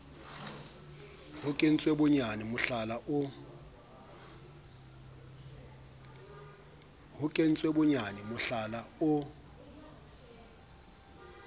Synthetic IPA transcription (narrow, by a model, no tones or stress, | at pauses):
hʊkʼen̩t͡sʼwebʊɲanɪmʊɬalaʊ | hʊkʼen̩t͡sʼwebʊɲanɛmʊɬalaʊ